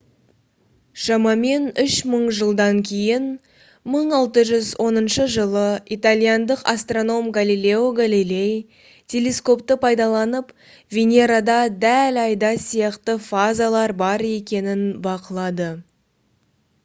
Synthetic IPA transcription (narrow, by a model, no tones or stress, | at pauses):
ʃɑmɑme̞nʏʃməɴʒəlˠd̪ɑŋkʲʰe̞jɪn | məɴɑlˠt̪əʒʏzwʔo̞nənʃəʒəlˠəit̪alʲˠijand̪əqa̰st̪ro̞no̞mɡalilʲe̞oɡalilʲe̞j | t̪ʲʰe̞lʲe̞sko̞pt̪əpʰɑjd̪ɑlˠɑnəp | vʲenʲe̞ɾad̪ɑd̪ælɑjd̪ɑsijɑqt̪əfazalˠɑɾbɑɾe̞kʲe̞nɪnbɑqəlˠɑd̪ə